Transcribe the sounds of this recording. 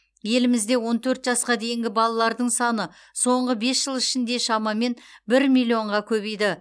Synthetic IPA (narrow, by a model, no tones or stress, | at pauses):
je̞lɪmɪzd̪e̞wo̞nt̪ʰɵɾt̪ʒɑsqɑd̪e̞jɪŋɡʲɪbɑlˠɑlˠɑɾd̪əɴsɑnə | so̞ɴʁəbe̞sʒ̥əlˠɪʃɪnd̪e̞ʃɑmɑme̞nbɪɾmilʲˠːio̞ɴʁɑkʲʰɵbejd̪ɪ